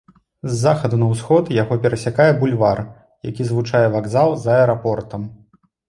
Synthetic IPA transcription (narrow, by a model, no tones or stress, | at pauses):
zːaxɐd̪unɐwsxɔt̪jaɣɔpʲɛɾɐsʲakajɛbulʲvar | jakʲizvut͡ʂajɛvaɡzalˠzɐɛɾapɔrt̪ɐm